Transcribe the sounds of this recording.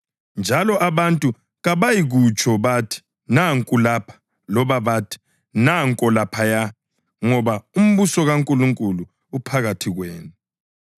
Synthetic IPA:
nd͡ʒʱalɔʔaβantʼu | ɣaβajiɣut͡ʃʼʰɔβatʰi̥ | naŋkʼulapʰḁ | lɔβaβaːtʰi̥ | naŋkʼɔlapʰaja | ŋɔβaum̩βusɔɣaŋkʼuluŋkʼuluː | pʰaɣatʰiɣweːnu

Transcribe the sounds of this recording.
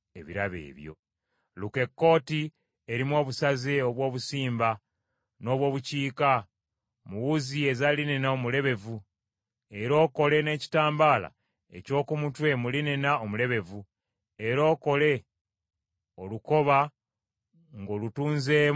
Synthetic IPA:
e̞̰βḭɾaβe̞̰ːβjo̞̰ | luke̞kːo̞ːti | e̞ɾimwo̞ːβusazeo̞βwo̞ːβusiːmba | no̞ːβwo̞ːβuciːka | muwuzie̞zaline̞naomule̞βe̞vu | e̞ɾo̞ːko̞le̞ne̞ːci̥taːmbaːla̰ | e̞̰co̞ːkumutwe̞muline̞nao̞mule̞βe̞vu | e̞ɾo̞ːko̞le̞ | oluko̞βa | ŋɡo̞ːlutuːnze

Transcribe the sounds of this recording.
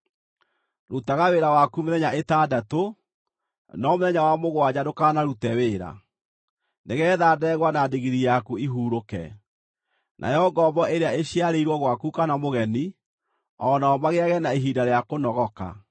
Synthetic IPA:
ɾutaɣaweɾawakumeðɛɲaetadato | nɔmoðɛɲawamoɣwad͡ʑadokanaɾutɛweːɾa̰ | neɣɛːðadɛːɣwanadeɣiɾijakuiɦuːɾokɛ̰ | nʔa̰jɔɡɔbɔeɾeaeɕiaɾeiɾwɔɣwakukanamoɣɛni | ɔnaɔmaɣeaɣɛnaeɦidaɾeakonɔɣɔka̰

